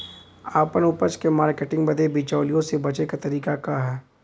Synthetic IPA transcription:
aːpənʊpət͡ʃkemaːɾkeːʈɪ̃ŋɡbɐd̪ebit͡ʃaːlijõsebɐt͡ʃekat̪ɐɾiːkakaɦɛː

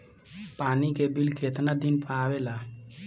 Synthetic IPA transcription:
paːnikebilkʰet̪nəd̪inpaːʋelaː

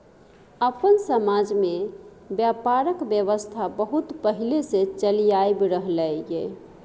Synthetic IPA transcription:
əpənsəmad͡ʒme | bjapaɾəkbjəβəst̪ʰabəɦut̪pəɦileset͡ʃəlijajbɾəɦləjɡe

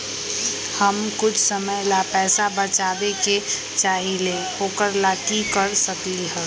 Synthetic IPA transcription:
həmkʊt͡ʃʰsəməjlapɛːsabət͡ʃaːbeke | t͡ʃaːɦilehoːkəɾlakikəɾsəkiɦɛ̃

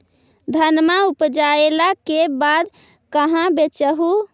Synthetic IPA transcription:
d̪ʱənmaupd͡ʒaelakebad̪ | kəɦãbet͡ʃəɦu

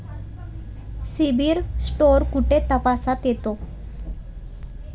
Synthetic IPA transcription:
sibiɾsʈoɾkuʈet̪əpasat̪jet̪o

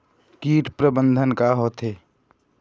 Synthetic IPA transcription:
kiːʈpɾəbənd̪ʱənkaɦoːt̪ɦeː

